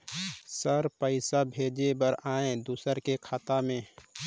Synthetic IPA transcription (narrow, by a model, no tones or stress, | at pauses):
səɾpəɪsabʱeːd͡ʒebəɾaːẽd̪uːsəɾkekʰaːt̪amẽ